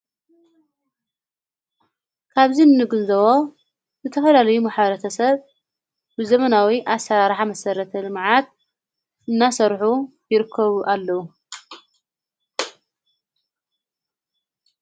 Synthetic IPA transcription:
kʰaβzinɨnɨɡɨnzɐβo | zɨt̪ʰɐfɐlalɐjumaħβɐɾɐt̪ʰɐsɐβ | bɨzɐmɐnawiʔasɐɾaɾħamɐsɐɾɐt̪ʰɐlɨmʕat̪̚ | ʔɨnːasɐɾħu | jɪɾɨkʰːɐβuʔalːɐwu

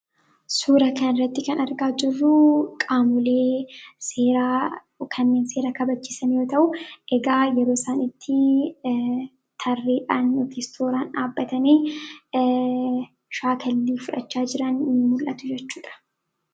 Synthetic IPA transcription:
suːɾɐkɐnɪrːɐt̪ːɪkɐnɐɾɡaːd͡ʒɪrːukʼaːmʊleːseːɾa | kʰɐnːeːnse̞ːɾɐkɐbɐt͡ʃːiːsɐnjo̞ːt̪ɐʔʊʔɛɡaːjɛɾoːɪsaːnɪt̪ʰːɪ | t̪ʰɐrːiːᶑaːnjɔkʰeːst̪ʰoːɾaːnaːbːɐt̪ɐniː | ʃaːkʰɐlːiːfʊᶑɐ̰t͡ʃːaːd͡ʒɪɾɐnːɪmʊlʔɐt̪ʊd͡ʒɛt͡ʃːuːᶑɐ̥

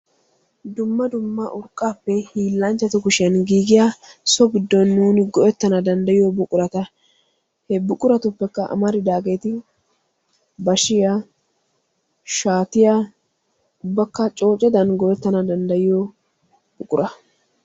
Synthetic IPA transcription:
d̪ʊmːɐd̪ʊmːɐʔʊɾkʼːaːpːɛhiːlːɐnt͡ʃːɐt̪ʊkʊʃɪɐnɡiːɡɪjasɔɡɪd̪ːɔnːuːnɪɡɔʔɛt̪ːɐnɐd̪ɐnd̪ɐjɪjɔbʊkʼʊɾɐt̪ɐ | hɛbʊkʼʊɾɐt̪ʊpːɛkːɐʔɐ̰mɐɾɪd̪aːɡe̞ːt̪ɪ | bɐʃɪja | ʃaːt̪ɪja | ʊbːɐkːɐt͡ʃʼo̞ːt͡ʃʼːɛd̪ɐnɡɔʔɛt̪ːɐnɐd̪ɐnd̪ɐjɪjɔ | bʊkʼʊɾɐ

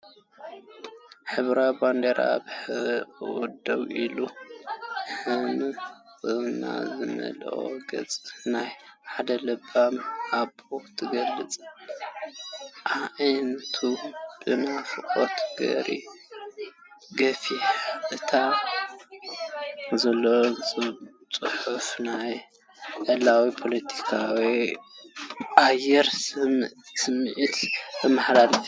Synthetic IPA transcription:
ħɨβɾaband̪eɾaβħɨwɔd̪ɐwʔilu | ħɨnɨkʼɨβna̰zɨmɐ̰lʔo̰ɡɐt͡sʼɨnajħad̪ɐlɨbamabot̪ʰɨɡɐlːɨt͡sʼ | ʔaʔjnt̪ʰub̥ɨnafɨkʼo̰t̪ʰɡɐ̰ɾḭ | ɡɐfiħaʔʼɨt̪ʰa | zɐlːo | t͡sʼɨħufnaj | ʔɐlawipʰo̞lɐt̪ʰi̥kʰawi | ʔajɛɾ | sɨmːʕit̪bɨmaħd̪al

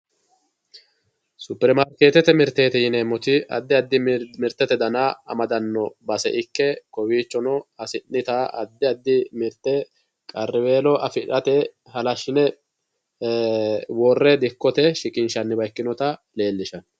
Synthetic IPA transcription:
sʊpːɛɾmaɾkeːt̪ɛt̪ɛmɪɾt̪eːt̪ɛjɪnɛmɔt̪ɪɐ̰d̪ːɪɐd̪ːɪmɪɾt̪ːɛt̪ɛd̪ɐnaːɐ̰mɐd̪ɐnːɔbɐsɛ̰ʔɪkːɛkɔwiːt͡ʃːɔnɔɐsɪnːɪt̪aɐd̪ːɪɐd̪ːɪmɪɾt̪ːɛ | kʼɐrːɪweːlɔɐfɪᶑɐt̪ɛ | hɐlɐʃːɪnɛ | wɔrːɛd̪ɪkːɔt̪ɛʃɪkʼɪnʃɐnːɪbɐjkːɪnɔt̪ɐ | le̞ːlːɪʃɐn

